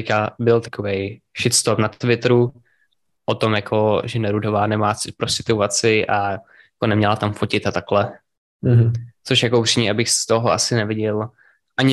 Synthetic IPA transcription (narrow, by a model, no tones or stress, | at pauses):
ɪkabɪlt̪ḁkovej | ʃɪt̪st̪opnat̪vɪt̪ɾu | ʔot̪omjakʰoʒɛnɛɾudo̞vaːnɛmaːt͡sɪt̪̚pɾosɪt̪uvat͡sɪʔa | jakonɛmɲɛlat̪amfocɪt̪at̪aklɛ | t͡soʃjakoupr̥imɲɛʔabɪxst̪oɦoʔa̰sɪnɛvɪɟɛl | ʔaɲɪ